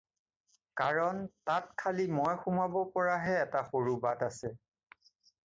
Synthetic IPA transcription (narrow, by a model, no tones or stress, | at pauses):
kaɹɔntat̚kʰalimɔjxumabɔpɔɹaɦɛːtaxoɹubatasɛ